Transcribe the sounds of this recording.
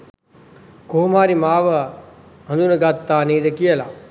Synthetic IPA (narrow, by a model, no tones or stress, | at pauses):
koːmaːɾimaːʋə | ɦɐnd̪unɐɡat̪ːaːniːd̪ɐkijəla̰